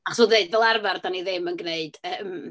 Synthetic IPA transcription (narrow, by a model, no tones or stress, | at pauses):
aχɔsudeɨdvɛlˠarvardaniðɪmənɡneɨd̥əːm